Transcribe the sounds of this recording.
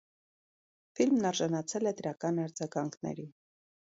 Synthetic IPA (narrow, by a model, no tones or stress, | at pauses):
filmnɑɾʒɑnɑt͡sʰɛlɛd̪əɾɑkɑnɑɾd͡zɑɡɑŋkʰnɛ̰ɾi